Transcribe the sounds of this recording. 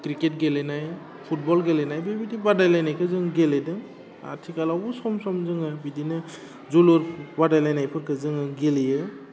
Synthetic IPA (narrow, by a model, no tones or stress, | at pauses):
kɾiket̚ɡelenaj | pʰut̚bɔlɡelenajbebidibadajlajnajkʰɯzɯŋɡeledɯŋ | a̰tʰikalɔbɔsɔmsɔmzɯŋɯbidinɯ | zulɔɾbadajlajnajpʰɯkʰɯzɯŋɯɡelijɯ